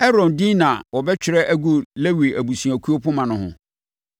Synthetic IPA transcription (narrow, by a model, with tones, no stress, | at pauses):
ɛ˦ɾɔ̃˨ndi˦nã˨wɔ˨bɛ˦t͡ɕᶣɪ˨ɾɛ˦ʔæ˦ɡu˨le˦wi˨æ˨bu˨su˨æ˨kʰu˦o˦pʊ̃˦mã˨nʊ̃˦hʊ̰̃˨